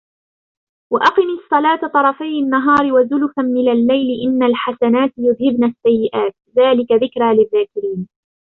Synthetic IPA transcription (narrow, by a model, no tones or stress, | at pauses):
waʔɑqɨniːsˤːɑlɑːt̪at̪ˤɑɾˤɑfajanːaɦɑːɾɪwazʊlʊfamɪnalːajlɪʔɪnːalħasanaːt̪jʊðhɪbnasːajːɪʔaːt̪̚ðaːlɪkaðɪkɾaːlɪðːaːkɪɾiːn